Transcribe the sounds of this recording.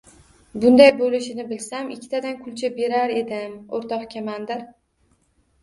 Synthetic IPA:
bʊnd̪ajbolɪʃɪnɪbɪlsamɪkʲʰːɪt̪ʰad̪ankʰʊlt͡ʃʰabe̞ɾaɾe̞d̪ɪmoɾt̪ʰɒqkʲʰamand̪ɪɾ

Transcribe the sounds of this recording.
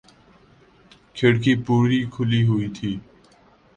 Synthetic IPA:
kʰɪɽkiːpuːɾiːkʰʊliːɦʊiːt̪ʰiː

